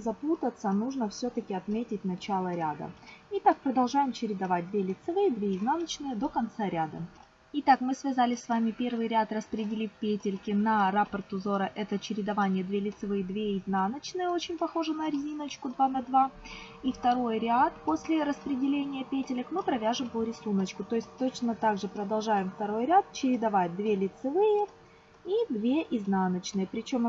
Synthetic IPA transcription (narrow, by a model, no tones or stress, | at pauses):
zɐput̪ət̪sənuʐnəfsʲɵt̪əkʲɪɐt̪mʲetʲɪt̚ʲnɐt͡ɕalˠəɾʲad̪ə̰ɪt̪ak̚pɾəd̪ɐlˠʐajɪmt͡ɕɪɾʲɪd̪ɐvat̚ʲd̪vʲelʲɪt̪sɨvɨjəd̪vʲeɪznanət͡ɕnɨjəd̪o̞kɐnt̪saɾʲad̪ə̰ | ɪt̪akmɨsvʲɪzalʲɪsʲsvamʲɪpʲe̞rvɨjɾʲat̪rəspɾʲɪdʲɪlʲifʲpʲetʲɪlʲkʲɪnɐɾapərt̪ʊzo̞ɾəʔɛt̪ət͡ɕɪɾʲɪd̪ɐvanʲɪjəd̪vʲelʲɪt̪sɨvɨjd̪vʲeɪznanət͡ɕnɨjəo̞t͡ɕɪnʲpɐxo̞ʐɨnəɾʲɪzʲinət͡ɕkʊd̪vanɐd̪va | ift̪ɐɾo̞jɾʲɪat̪po̞sʲlʲɪɾəspɾʲɪdʲɪlʲenʲɪjəpʲetʲɪlʲəkmɨpɾɐvʲaʐɨmvoɾʲɪsunət͡ɕkʊt̪o̞ɪsʲt̚ʲt̪o̞t͡ɕnət̪aɡʐɨpɾəd̪ɐlˠʐajɪmft̪ɐɾo̞jɾʲat̪̚t͡ɕɪɾʲɪd̪ɐvat̚ʲd̪vʲelʲɪt̪sɨvɨjə | id̪vʲeʔɪznanət͡ɕnɨjəpɾʲɪt͡ɕo̞m